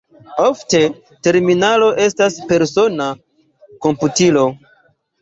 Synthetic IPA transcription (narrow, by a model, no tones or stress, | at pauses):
o̞fte̞ | te̞ɾminalo̞ʔe̞staspe̞ɾso̞na | ko̞mputilo̞